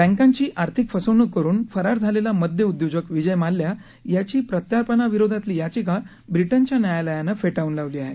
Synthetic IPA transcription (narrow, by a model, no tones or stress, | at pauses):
bæ̃ŋkãɲt͡ɕiːʔaɾt̪ʰikfəsəwnəkːəɾuːnfəɾaɾd͡zʱalelaməd̪ʱjəud̪jod͡ʑəkʋid͡ʑəjmalːja | jat͡ɕiːpɾət̪jaɾpənaʋiɾod̪ʱat̪liːjat͡ɕika | bɾiʈəɲt͡ɕjanajaləjanəfeʈaunlaʋliːaɦe